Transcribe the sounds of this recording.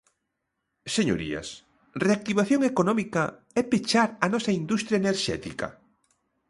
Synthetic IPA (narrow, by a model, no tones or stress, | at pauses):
seɲo̰ɾḭɐ̰s | reak̚t̪iβaθjoŋekonɔmikɐ | ɛpet͡ʃaɾɐnɔsɐind̪ust̪ɾjaeneɾʃɛ̰t̪ḭkɐ̰